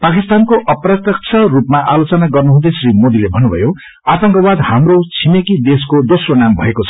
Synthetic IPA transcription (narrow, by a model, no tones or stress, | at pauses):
pakist̪ankoʔʌprʌt̪jʌk̚t͡sʰʌrupmaʔalot͡sʌnaɡʌrnuɦũd̪ʌjsrimod̪ilebʱʌnːubʱʌ̰jo | at̪ʌŋkʌbad̪hamrot͡sʰimekid̪eskod̪osronambʱʌ̰ekot͡sʰʌ̥